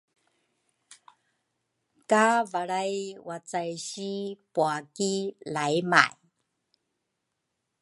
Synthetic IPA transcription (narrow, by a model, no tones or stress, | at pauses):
kavaɭajwat͡sajɕipuakilajma̰j